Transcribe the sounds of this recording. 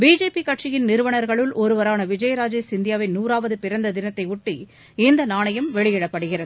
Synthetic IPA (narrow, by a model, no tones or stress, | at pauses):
biːd͡ʒeːpikɐʈʂɪjɪnnɪɾɯʋɐɳɐɾɣɐɭɯlʔɔɾɯʋɐɾaːnɐʋɪd͡ʒɐjɐɾaːd͡ʒesɪnd̪ɪjaːʋɐɪnuːɾaːʋɐðɯpɪɾɐnd̪ɐd̪ɪnɐt̪ːɐɪʊʈːi | ɪnd̪ɐnaːɳɐjɐmʋɛɭɪjɪɽɐpːɐɽɯɣɪrɐðɯ